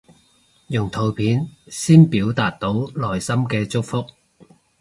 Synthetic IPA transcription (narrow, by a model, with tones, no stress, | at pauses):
jʊ˨˩ŋt̪ʰo˨˧wpʰiː˨˥nsiː˥npiː˨˥wt̪aː˨t̚t̪o˨˥wlɔː˨˩jsɐ˥mkɛː˧t͡sʊ˥k̚fʊ˥k̚